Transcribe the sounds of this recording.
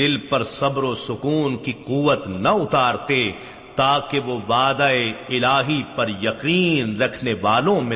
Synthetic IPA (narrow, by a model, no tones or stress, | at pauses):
ɪlpɐɾsɐbɾosʊkuːnkiquːʋət̪nɐʊt̪aːɾt̪e | t̪aːkeʋoʋaːd̪aeɪlaːɦipɐɾjɐqiːnɾɐkʰneʋaːlõmẽ